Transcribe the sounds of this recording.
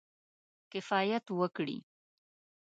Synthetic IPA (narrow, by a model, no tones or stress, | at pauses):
kɪfaːjət̪wəkɽḭː